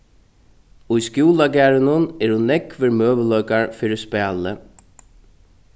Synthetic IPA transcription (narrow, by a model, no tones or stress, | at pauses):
ʊjskjuːlaɡæːɾɪnʊnɛɹhʊnːɛkʋɪɾmøːʋəlœʏkaɹfiːɾɪspɛːlə